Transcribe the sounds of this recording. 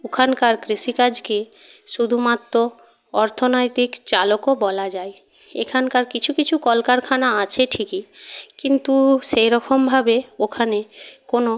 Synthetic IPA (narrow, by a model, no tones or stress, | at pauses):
okʰankaɾkɾiʃikad͡ʑke | ʃud̪ʱumat̪ːɾo | ɔɾt̪ʰonojt̪ikt͡ɕalokobɔlad͡ʑae | ḛkʰankaɾkit͡ɕʰukit͡ɕʰukɔlkaɾkʰanaat͡ɕʰeʈʰikikint̪uʃejɾɔkombʱabeokʰanekono